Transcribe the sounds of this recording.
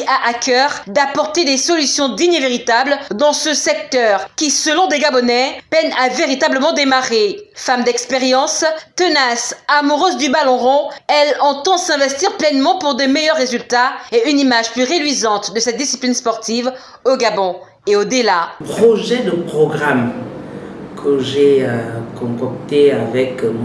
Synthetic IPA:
aʔakœʁd̪apɔʁt̪ed̪esɔlysjɔ̃d̪iɲeveʁit̪abld̪ɑ̃səsɛk̚t̪œʁkʲisəlɔ̃d̪eɡabɔnɛpɛnaveʁit̪abləmɑ̃d̪emaʁefamd̪ɛkspeʁjɑ̃st̪ənasamuʁøzd̪ybalɔ̃ʁɔ̃ɛlɑ̃t̪ɑ̃sɛ̃vɛst̪iʁplɛnmɑ̃puʁd̪əmejœʁːezylt̪aeynimaʒplyʁed̪ɥizɑ̃t̪d̪əsɛt̪̚d̪isiplinspɔʁt̪iv | oɡabɔ̃ | eod̪əlapχɔʒɛd̪əpχɔɡʁam | kʰəʒekɔ̃kɔkt̪eavɛk

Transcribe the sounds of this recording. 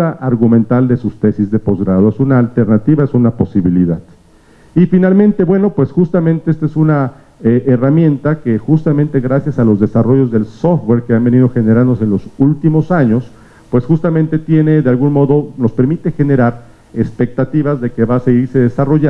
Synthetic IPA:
aʔaɾɣumẽ̞nt̪ald̪e̞sust̪e̞sizðe̞po̞zɣɾaðoesunaːlt̪e̞ɾnat̪iβaesunapo̞siβilḭðað | ifinalmẽ̞nt̪e̞βwe̞no̞pwe̞sxust̪amẽnt̪eest̪esuna | eʔeramje̞nt̪ake̞xust̪amẽnt̪eɣɾasjasalo̞zðe̞saro̞ʝo̞zðe̞lso̞ft̪̚we̞ɾkeambe̞niðo̞xe̞ne̞ɾãnd̪os̬e̞nlo̞sult̪imo̞saɲo̞s | pwe̞sxust̪amẽnt̪e̞t̪je̞ne̞ðealɣunmo̞ðo̞no̞spe̞ɾmit̪e̞xe̞ne̞ɾaɾ | espe̞k̚t̪at̪iβazðe̞ke̞βaːseɣiɾse̞ðe̞saro̞ʝa

